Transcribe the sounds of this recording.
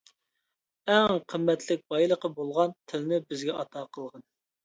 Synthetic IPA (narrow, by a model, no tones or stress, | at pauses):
ɛŋqʰəmːɛt̪ʰlɪk̚ʲbɑjlˠəqəbolˠʁɑnt̪ʰɪlɪnɪbɪzɡʲɛɑt̪ʰɑːqʰəlˠʁɑn